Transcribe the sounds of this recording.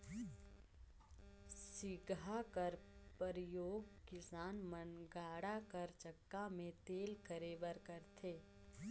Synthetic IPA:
sɪɡʱakəɾpəɾjoːɡkɪsaːnmənɡaːɽakəɾt͡ʃəkːamẽt̪eːlkəɾeːbəɾkəɾt̪ʰeː

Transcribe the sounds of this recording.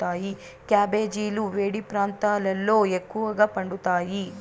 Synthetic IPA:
aːji | kjaːbeːd͡ʒiːluʋeːɽipɾaːnt̪aːlɐlːoːekːuʋɐɡɐpɐɳɖut̪aːji

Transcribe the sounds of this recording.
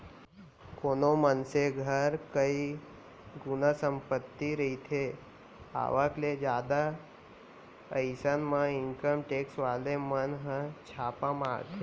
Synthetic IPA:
konomənseɡʱəɾkəi | ɡunəsəmpət̪ːiɾəit̪ʰe | a̰ʋakled͡ʒjad̪a | əjsənmaiŋkəmʈeksʋalemənɦə̃t͡ʃʰapamaɾt̪

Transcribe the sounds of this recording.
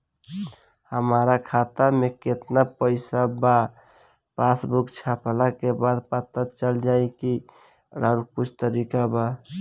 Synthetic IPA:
həmaɾakʰat̪ameket̪napəɪsaba | pasbukt͡ʃʰaplakebad̪pət̪ət͡ʃəld͡ʒaiki | ɾaɾkʊt͡ʃʰt̪əɾikaba

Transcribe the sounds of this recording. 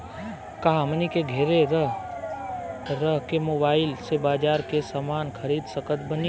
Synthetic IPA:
kaɦãmənikeɡʱeɾeɾəɦ | ɾəɦkemoːbaːɪlsebaːd͡ʒaːɾkesamaːnkʰəɾiːd̪səkət̪bəni

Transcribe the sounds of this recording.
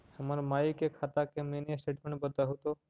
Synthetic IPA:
həmaɾmaikekʰat̪akemeneseʈmeɳbət̪aɦot̪o

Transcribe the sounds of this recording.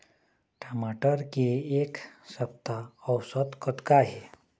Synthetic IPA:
ʈʰamaʈəɾkieksəp̚t̪aəwsət̪kʰət̪kaɦi

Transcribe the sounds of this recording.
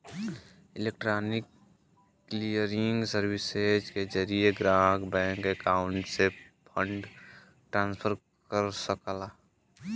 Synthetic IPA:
ɪlek̚ʈɾanɪkː | lijəɾɪŋɡsəɾbised͡ʒked͡ʒəɾijeɡɾakbɛ̃ːŋkekaʊɳʈsepʰəɳɖ | ʈɾãːnspʰəɾ | kəɾsəkəla

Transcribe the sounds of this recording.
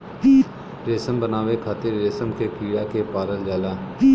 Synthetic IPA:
iː | ɾeːsəmbənaːʋekʰaːt̪ɪɾːeːsəmkekiːɽakepaːɾəld͡ʒaːlaː

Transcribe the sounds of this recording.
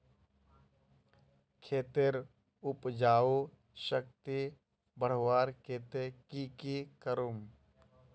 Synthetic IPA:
kʰeːt̪eɾ | ʊpd͡ʒaːo | ʃək̚t̪i | bəɽ̤ʋaːɾkeːt̪ekikikəɾum

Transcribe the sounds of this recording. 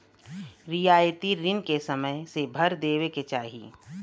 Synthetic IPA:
ɾɪjaːjət̪iɾɪnkesəməjsebʱɐɾd̪eːweket͡ʃaːɦḭ

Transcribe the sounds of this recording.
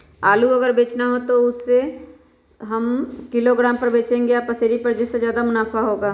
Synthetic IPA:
aːluɐɡəɾbeːt͡ʃnaɦot̪oʊsːe | ɦɐmkɪloɡɾaːmpɐɾbeːt͡ʃẽːŋɡeapɐseːɾipɐɾd͡ʒɪsːezjaːd̪amʊnaːfaɦoːɡaː

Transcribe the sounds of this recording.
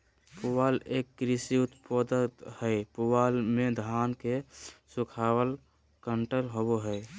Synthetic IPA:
puʋaːleːkːɾɪsiʊt̪pod̪ət̪həepuwaːlmẽd̪ʱaːnkesʊkʰaːwəl | kəɳʈəlɦoboɦɛ

